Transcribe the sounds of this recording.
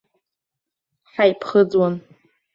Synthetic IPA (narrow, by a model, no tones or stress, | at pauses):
ħajpʰχəd͡zwan